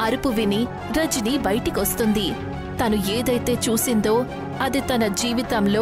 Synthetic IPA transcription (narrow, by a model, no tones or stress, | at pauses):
ɐɾupuʋini | ɾɐd͡ʒinibɐjʈikiʋɐst̪und̪i | t̪ɐnueːd̪ɐjt̪e̞ːt͡ʃuːsind̪o̞ː | ɐd̪it̪ɐnɐd͡ʒiːʋit̪ɐmloː